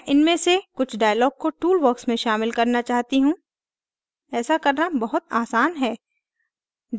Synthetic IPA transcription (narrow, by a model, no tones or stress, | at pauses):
ʔɪnmẽsekʊt͡ʃʰɖaːjəlɔːɡ̚koʈuːlʋɔːksmẽʃaːmɪlkɐɾnat͡ʃaːɦt̪iɦũː | ɛːsakɐɾnabɐɦʊt̪aːsaːnɦɛː